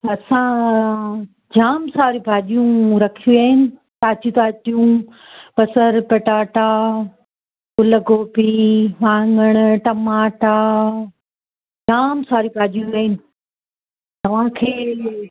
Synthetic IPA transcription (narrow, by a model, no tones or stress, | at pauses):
ɐsã | d͡ʑaːmsaːɾibʱaːʄijũɾɐkʰijũaːɦɪnɪ̆t̪aːt͡ɕit̪aːtijũ | pɐsəɾpɐʈaːʈaː | kʊləɡoːpiʋãːŋɡəɽ̃ʊ̆ʈɐmaːʈa | d͡ʑaːmsaːɾibʱaːʄijũaːɦɪnɪ̆ | t̪ɐʋ̤ãkʰeː